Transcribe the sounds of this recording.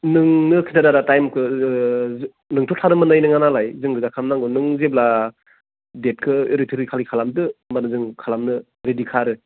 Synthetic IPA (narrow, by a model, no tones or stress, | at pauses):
nɯŋnɯkʰinadaɾatajmkʰɯ | nɯŋtʰɔtʰanɯmɯnajnɯŋanalajzɯŋɡɯzakʰamnaŋɡɯnɯŋzebla | det̚kʰɯɾitʰɯɾikʰalikʰalamdɯmanɯzɯŋkʰalamnɯ | ɾedikʰaɾɯ